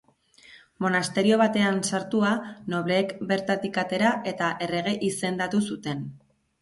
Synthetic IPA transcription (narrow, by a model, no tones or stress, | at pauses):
mo̞nast̪e̞ɾio̞β̞at̪e̞ansaɾt̪uano̞β̞le̞ːkbe̞ɾt̪at̪ikat̪e̞ɾaʔe̞t̪aʔe̞re̞ɣ̞e̞ʔise̞nd̪at̪usut̪e̞n